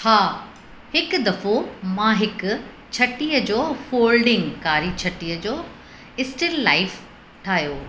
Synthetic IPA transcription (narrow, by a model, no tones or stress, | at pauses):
haː | hɪkʊd̪ɐfomãɦɪkʊ | t͡ɕʰɐʈiːəd͡ʑoːfoːlɖɪ̃ŋɡkaːɾit͡ɕʰɐʈijəd͡ʑoː | ɪsʈɪlːaːɪf | ʈʰaːɦjoː